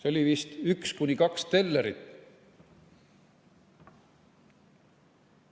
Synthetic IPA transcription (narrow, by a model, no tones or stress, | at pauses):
seo̞lʲivist̪ykskunʲikɑkst̪e̞lːeɾit̪ˑː